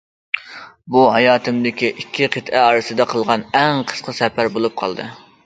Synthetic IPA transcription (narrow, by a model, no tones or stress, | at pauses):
buɦɑjɑːt̪ʰɨmd̪ɪkʲiʔikʲʰːiqʰət̪ɛɑɾɨsɨd̪ɛqʰəlˠʁɑnɛŋqʰə̥sqʰəsɛpæɾbolˠup̚qʰɑ̰lˠd̪ɨ̰